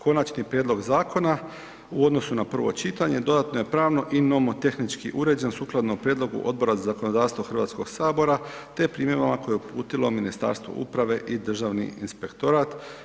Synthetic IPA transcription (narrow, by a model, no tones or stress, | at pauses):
kʰo̞nat͡ʃnipɾjed̪lˠo̞ɡzaːkʰo̞na | uo̞d̪no̞sunapr̩ʋo̞̰t͡ʃit̪aɲe̞d̪o̞d̪at̪no̞je̞pɾaːʋno̞ʔino̞mo̞t̪e̞xnit͡ʃkiʔuɾe̞d͡ʑensuːklˠad̪noupɾjed̪lˠo̞ɡṵʔo̞d̪̚bo̞ɾazazako̞nod̪aːʋst̪ʋoxr̩ʋaːt̪sko̞ɡsaːbo̞ɾa | t̪e̞pɾiːmje̞ʋamako̞je̞upṵːt̪ilo̞minist̪a̰ːɾst̪ʋo̰ʔṵpɾaʋe̞ʔid̪r̩ʒaʋnḭḭnspe̞kt̪o̞ɾaːt̪